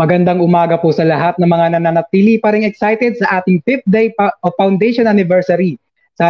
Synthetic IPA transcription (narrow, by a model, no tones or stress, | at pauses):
mɐɡɐnd̪aŋʔʊmaːɡɐpʊsɐlɐɦat̪̚nɐŋmɐŋanɐnanɐt̪iːlipɐɾɪŋɛksajt̪ɛd̪̚sɐʔaːt̪ɪŋpɪf̚d̪ejopawnd̪ejʃɔnʔɐnɪvɛɹsɐɾi | sɐ